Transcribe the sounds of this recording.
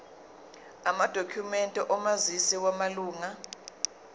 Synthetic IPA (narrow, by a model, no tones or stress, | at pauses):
amad̥ʱokʰumɛntʼɛʔɔmazisiwamaluːŋa